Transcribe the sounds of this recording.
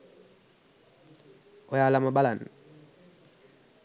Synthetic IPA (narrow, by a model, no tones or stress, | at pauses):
ɔjalamabalan